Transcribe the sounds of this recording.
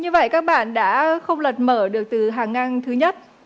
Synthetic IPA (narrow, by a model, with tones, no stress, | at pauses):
ɲɨ˧və̰˧˨jkaː˦˥k̚ɓa̰ː˧˨nɗa̰ː˧˥xə˧wŋ͡mlə˨˩t̚məː˧˩ɗɨ˨˩ək̚t̪ɨ˨˩ɦaː˨˩ŋːa˧nt̪ʰɨ˨˦ɲə˦˥t̚